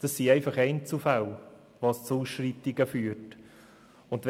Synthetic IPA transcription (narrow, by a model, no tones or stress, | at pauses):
d̥ɑsːiɛɪfɑχɛɪnt͡sufal | ʋɑst͡suuːsʃrit̪ːɪɡəfyːəɾt | ʊndʋ